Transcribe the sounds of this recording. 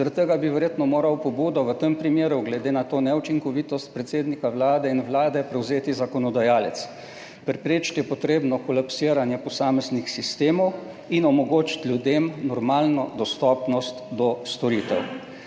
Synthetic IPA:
zəɾat̪t̪ːəɡabiʋɛɾjeːt̪nɔmoːɾawpɔbuːd̪ɔʋət̪əmpɾimeːɾuɡlɛd̪eːnat̪oːnɛut͡ʃiŋkɔʋiːt̪ɔst̪̚pɾɛt̪seːd̪nikawlaːd̪ɛinʋlaːd̪ɛpɾɛwzeːt̪izakɔnɔd̪ajaːlɛt̪s | pɾɛpɾet͡ʃkjɛpɔt̪ɾeːbnɔkɔlapsiːɾanjɛpɔsaːmɛznixsist̪eːmɔw | inɔmɔɡoːt͡ʃi̥t̪lʲjud̪emnɔɾmaːlnɔd̪ɔst̪ɔːpnɔst̪d̪ɔst̪ɔɾiːt̪ɛ̰w

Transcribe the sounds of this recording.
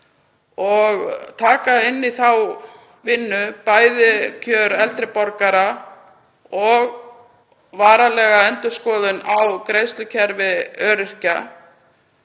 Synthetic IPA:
ɔɣt̪ʰaːkaɪnːiθaw | vɪnːʏpaːjðɪcʰœːɾɛlt̪ɾɪpɔɾkaɾa | ɔɣ | vaːɾalɛːɣaɛnt̪ʏskɔːðʏnawkɾeːjst̪lʏcʰɛɾvɪœːɾɪr̥ca

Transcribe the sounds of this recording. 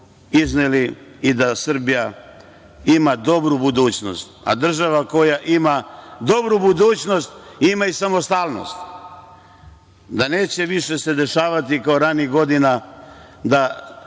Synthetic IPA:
izneliid̪asr̩bija | imad̪o̞bɾubud̪uːt͡ɕno̞̰st̪a̰d̪r̩ʒaʋako̞jaʔimad̪o̞bɾubud̪uːt͡ɕno̞st̪imaisamo̞st̪aːlno̞̰st̪ | d̪ane̞ːt͡ɕe̞ʋiʃe̞se̞d̪e̞ʃaːʋat̪ikaoɾaniɡo̞d̪ina | d̪a

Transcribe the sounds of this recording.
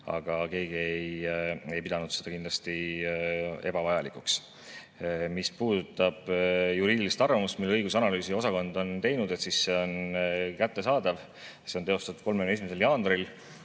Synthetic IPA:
ɑ̰ɡ̥ɑke̞ːɡ̥ieje̞jpid̪ɑnud̪se̞d̪ɑkind̪lɑst̪i | e̞b̥ɑvɑjɑlikˑuks | mispuːd̪̥ut̪ːˑɑb̥juɾiːd̪ʲilist̪ɑrvɑmust̪milːeɤjɡus̬ɑnɑlyːsio̞sɑko̞nd̪o̞nt̪e̞jnud̪̥e̞t̪sisːe̞o̞nkæt̪ːe̞sɑːd̪̥ɑv | se̞ont̪e̞o̞st̪ɑt̪u̥t̪̚ko̞lmeneimese̞ljɑːnɾil

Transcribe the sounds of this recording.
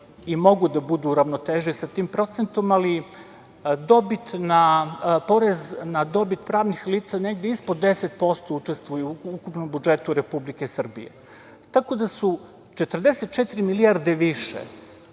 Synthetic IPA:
imo̞ɡud̪abud̪uːɾaʋnot̪eʒisat̪iːmpɾo̞t̪sent̪o̞mali | d̪o̞bit̪napo̞ɾeznad̪o̞bit̪pɾaːʋnixliːt̪sane̞ɡd̪eispod̪ːe̞set̪̚po̞st̪out͡ʃest̪ʋujuukupno̞mbud͡ʒe̞t̪uɾepublikesr̩bḭjḛ | t̪ako̞d̪asu | t͡ʃe̞t̪rd̪eset̪̚t͡ʃet̪iɾimiliaɾd̪e̞ʋiʃḛ

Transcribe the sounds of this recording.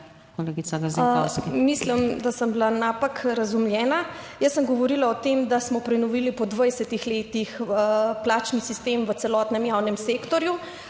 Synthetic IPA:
koleːɡisaɡazɔsmislimd̪asəmbilanaːpakɾazumljɛːna | jəsːəmɡɔʋɔɾilaɔt̪emd̪asmɔpɾɛnɔʋilipɔd̪ʋajsɛt̪ixleːt̪ixəplaːt͡ʃnisist̪emʋət̪sɛlɔːt̪nɛmjawnɛmseːkt̪ɔɾju

